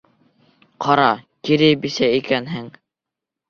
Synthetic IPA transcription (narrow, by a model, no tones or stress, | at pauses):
qʰɑɾɑkiɾɘbisæikænɦɘŋ